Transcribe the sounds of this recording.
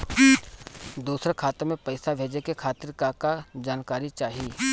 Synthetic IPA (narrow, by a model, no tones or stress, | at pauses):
d̪uːsɾekʰaːt̪əɾmẽpɐɪsabʱeːd͡ʒekekʰaːt̪ɪɾkakad͡ʒaːnkaːɾit͡ʃaːɦiiː